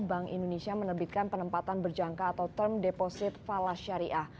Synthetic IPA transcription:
baŋḭndonesiamənərbit̪̚kanpənəmpat̪anbərd͡ʒaŋkaːt̪awt̪ərmdeposɪt̪̚falasaɾiʔah

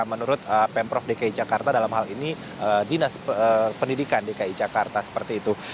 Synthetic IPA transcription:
mənuɾʊt̪̚əpɛmpɾɔfdikaid͡ʒakart̪adalamhalini | ədinasəpəndidikandikaid͡ʒakart̪asə̥pərt̪iːt̪u

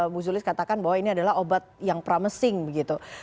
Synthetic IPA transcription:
buzulɪskat̪akanbaɦwainiadalaɦobat̪̚jaŋpəɾaməsɪŋbəɡit̪u

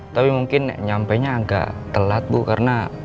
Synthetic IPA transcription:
t̪apimuŋkɪnɲampaɲaːŋɡa̰ʔt̪əlat̪̚bukaɾəna

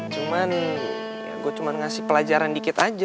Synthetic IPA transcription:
t͡ʃuman̰ | ɡuat͡ʃumanŋasɪhpəlad͡ʒaɾandikɪt̪ad͡ʒ

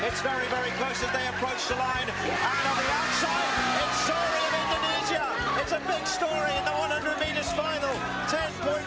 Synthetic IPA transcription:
ɨtsvɛɹivɛɹikʰl̥oʊsðɨt̪̚ðeɪɨpʰɹ̥oʊt͡ʃðəlãɪ̃n | ə̃nə̃nðiaʊθsaɪdɪtsɔɪ̃ŋʌvɪ̃ndɨniʒiə | ɪtsɨbɪɡ̥stɔɹiɨ̃nðəwʌ̃nʌ̃ndə˞miɾɨz̥fãɪ̃nl̩ˠ | tʰɛ̃npʰɔ̃ɪ̃

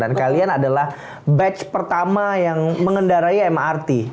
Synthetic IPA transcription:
ankalianadalah | bɛt͡ʃpərt̪amajaŋməŋəndaɾaiɛmart̪i

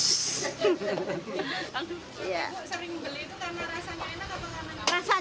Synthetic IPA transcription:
a | ja̰səɾɪŋbəliit̪ukarnaɾasaɲainakapakarnarasa

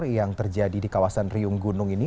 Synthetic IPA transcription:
rjaŋt̪ərd͡ʒadidikawasanriʊŋɡunʊŋini

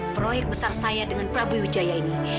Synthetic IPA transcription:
pɾojɛk̚bəsarsajadəŋanpɾabuiud͡ʒajaini

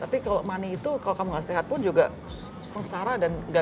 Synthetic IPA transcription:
t̪apikalomaniːt̪ukalokamuŋaʔsiɦat̪̚pʊnd͡ʒuɡa̰ | səŋsaɾadanɡa

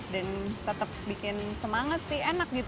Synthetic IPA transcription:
dant̪ət̪əp̚bikɪnsəmaŋat̪sɪhenak̚ɡit̪

